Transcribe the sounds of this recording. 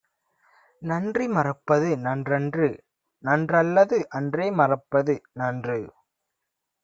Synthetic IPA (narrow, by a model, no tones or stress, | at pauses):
nɐndrimɐrɐpːɐðɯnɐndrɛndrɯ | nɐndrɐlːɐðɯʔɐndreːmɐrɐpːɐðɯnɐndrɯ